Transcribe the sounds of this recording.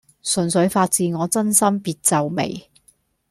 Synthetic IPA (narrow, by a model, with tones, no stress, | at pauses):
sɵ˨nsɵ˨˥ɥfaː˧t̚t͡siː˨˧ŋɔː˨˧t͡sɐ˥nsɐ˥mpiː˧t̚t͡sɐ˨wmḛ˨˩j